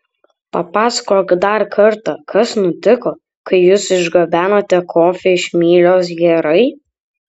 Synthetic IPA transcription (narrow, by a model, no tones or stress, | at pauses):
pɐpɑːsɐkoːkd̪ɐɾkʰɐɾt̪ɐkʰɐsnʊt̪ʲɪkoː | kɐɪjuːsɪʒɡɐbʲæːnoːt̪ʲɛkʰoːfʲɛɪʃmʲiːlʲoːs̬ɡʲɛɾɐɪ